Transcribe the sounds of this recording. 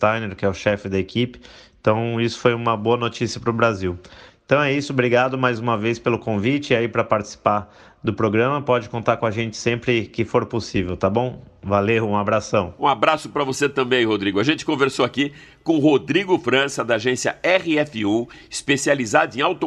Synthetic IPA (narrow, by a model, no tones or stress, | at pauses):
t̪ajneɾkɪɛʊʃɛfɪd̪ɐekipɪ̥ẽt̪ɐ̃w̃isʊ̥fojũmɐboɐnot͡ʃisiɐpɾʊbɾaziwẽt̪ɐ̃w̃ɛisʊbɾiɡad̪ʊmajzũmɐvejspelʊkõvit͡ʃɪɪaipɾɐpaɾt͡ʃɪ̥si̥paɾ | d̪ʊpɾoɡɾɐ̃mɐpɔd͡ʒɪkõnt̪aɾkõaʒẽnt͡ʃɪ̥sẽmpɾɪkɪfoɾposivewt̪abõw̃valewũabɾasɐ̃w̃ũabɾasʊpɾɐvoset̪ɐ̃mbẽj̃hod̪ɾiɡʊɐʒẽnt͡ʃɪ̥kõveɾsoaki | kõhod̪ɾiɡʊfɾɐ̃sɐd̪ɐaʒẽsiɐ̰ɛʁɪɛfɪu | ɪspesializad̪ʊẽj̃awt̪o